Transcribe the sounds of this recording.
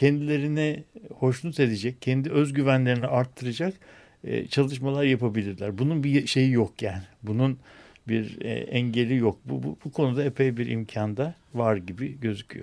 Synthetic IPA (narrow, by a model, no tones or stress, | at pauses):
cʰɛnd̪ilʲe̞ɾinɛho̞ʃnˠut̪e̞d̪ed͡ʒɛc̚cʰːɛnd̪iø̞zɟyvænlʲe̞ɾiniaɾt̪ʰːɯɾɯd͡ʒakː | t͡ʃʰalˠɯʃ̬malˠaɾjapʰabilʲiɾlʲæɾbununbiʃe̞jijokjaːnɪbunun | biɾɛ̰ɛɲɟe̞lʲijok̚bubbukʰo̞nud̪aepʰejbiɾʔḭmcʰand̪a | vaɾɟibiɟø̞zycʲʰy̰jo